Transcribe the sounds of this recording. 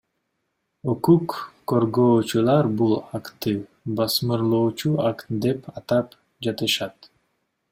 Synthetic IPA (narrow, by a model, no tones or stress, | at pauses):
okukː | oɾɡoːt͡ʃulˠɑɾbulˠakt̪ɯ | bɑsmɯɾlˠoːt͡ʃuakt̪d̪e̞pʰɑt̪ɑp | d͡ʒɑt̪ɯʃɑt̪